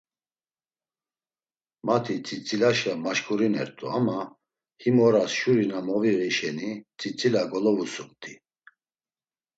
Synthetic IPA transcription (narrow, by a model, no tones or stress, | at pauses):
mat̪ʰit͡sʼit͡sʼilaʃamaʃkʰʼuɾinɛɾt̪ʼṵama | himɔɾasʃuɾinamɔviʁiʃɛnit͡sʼit͡sʼilaɡɔlɔvusukʼt̪ʼi